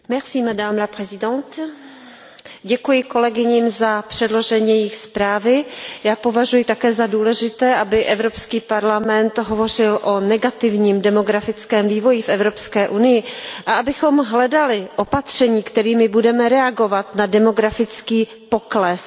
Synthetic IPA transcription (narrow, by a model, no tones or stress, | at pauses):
mɛsiːmɛdaːmɾaprɛzɪdɛnt̪ | ɟɛkujɪko̞lɛɡɪɲiːmzapr̝̥ɛdlo̞ʒɛɲɛjɪxspɾaːvɪjaːpo̞vaʒujɪt̪akɛːzaduːlɛʒɪt̪ɛːʔabɪʔɛvɾopskiːpaɾlamɛnt̪ɦo̞vo̞r̝ɪlʔo̞nɛɡat̪ɪvɲiːmdɛmo̞ɡɾafɪt͡skɛːmviːvo̞jɪfʔɛvɾo̞pskɛːʔunɪjɪʔaʔabɪxo̞mɦlɛdalɪʔo̞pat̪r̝̥ɛɲiːkt̪ɛɾiːmɪbudɛmɛɾɛaɡo̞vat̪nadɛmo̞ɡɾafɪt͡skiː | po̞klɛs